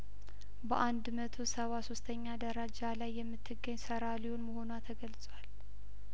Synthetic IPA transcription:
bəʔand̪mət̪ʰosəβasost̪ʰəɲːad̪əɾad͡ʒalajːɛmːɨt̪ʰːɨɡːəɲːsəɾaliwunməho̞nwat̪ʰəɡəlt͡sʼwal

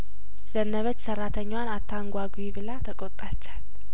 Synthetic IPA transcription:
z̥ənːəβət͡ʃːsərat̪ʰəɲːwanat̪ʰːaŋɡʷaɡwiβɨlat̪ʰəkʼot̪ʼat͡ʃːḁl

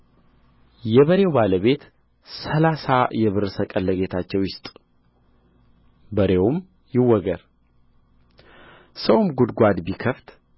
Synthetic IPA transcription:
jɛβəɾe̞wbaləβe̞t̪ | səlasajɛβɨɾsəkʼəlːəɡe̞t̪ʰat͡ʃːɛwjɪst̪ʼ | bəɾe̞wʊm | jɪwːɔɡəɾ | səwmɡud̪ɡʷad̪bikʰəft̪

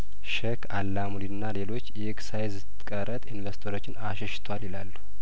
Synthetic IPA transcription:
ʃɛkʰalːamuliɨnːalelo̞t͡ʃːjɛksajzɨt̪ɨ̥kʼəɾət̪ʼinvest̪ʰoɾo̞t͡ʃːɪnaʃɛʃɪ̥t̪ʰwalɪlalːu̥

